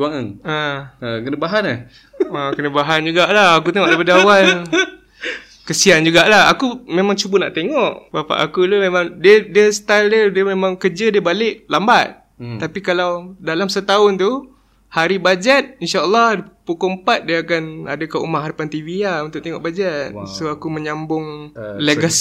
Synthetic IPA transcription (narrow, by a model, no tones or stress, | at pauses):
uaŋaŋaəkənəbaɦanah | akənəbaɦand͡ʒuɡaʔlahak̬ut̪eŋɔʔdapadawal | kəsiand͡ʒuɡaʔlaha̰kumemaŋt͡ʃubəna̰ʔt̪eŋɔʔbapa̰ʔakulumemãŋdiədiəsət̪aldiədiəmemãŋkəd͡ʒədiəbalɪʔlambat̪̚ | t̪ːapikalawdalamsət̪aʊnt̪u | haɾibad͡ʒat̪̚inʃaəlˠːɑhpukuəmpat̪̚diəakana̰dəkaṵmaʔɦadapant̪iviaunt̪ʊʔ̚t̪eŋɔ̰ʔbad͡ʒat̪̚soakuməɲambʊŋleɡas